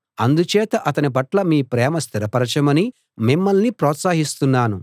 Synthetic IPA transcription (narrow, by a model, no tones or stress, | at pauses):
ɐnd̪ut͡ʃɛːt̪ɐʔɐt̪ɐnipɐʈlɐmiːpɾɛːmɐst̪ʰiɾɐpɐɾɐt͡ʃɐmɐni | mimːɐlnipɾɔːt̪saːɦist̪unːaːnu